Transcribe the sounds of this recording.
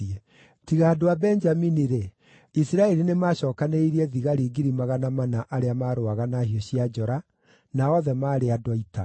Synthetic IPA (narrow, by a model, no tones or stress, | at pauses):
ɛ | tiɣaːdoabɛnd͡ʒaminiɾe | isiɾaɛɾinemaːɕɔːkaneiɾiɛðiɣaɾiɡiɾimaɣanamanaʔaɾeamaːɾoaɣanahiɔɕiad͡ʒɔɾa | naɔðɛmaːɾeadwaita̰